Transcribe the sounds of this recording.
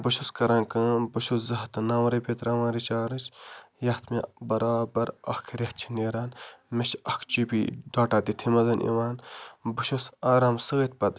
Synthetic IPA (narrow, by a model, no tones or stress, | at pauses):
bɐʃuskɐɾãːnkɨbɐʃuzɐɦt̪naːmɾɐpet̪ɾaːʋaːɾit͡ʃaːɾɨt͡ʃjɐht̪ʰmebɐɾaːbɐɾɐhkʰɾʲɐht͡ʃʰi̥neːɾaːnmeʃɐkʰt͡ʃiːpiɖaːʈaːt̪it̪ʰimɐzɐnʔḭwaːnbuʃosaːɾaːmsɨɣɐt̪̚ʲpɐt̪